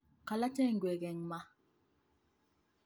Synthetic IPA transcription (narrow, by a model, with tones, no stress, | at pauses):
ka˨la˦tɛ˦˨ŋ̩˨ɡwɛ˨ɣɛ˨ŋma˦